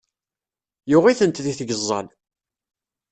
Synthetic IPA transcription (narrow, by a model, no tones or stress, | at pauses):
jʊʁiθənt̪ðiθɡəzˤːə̰l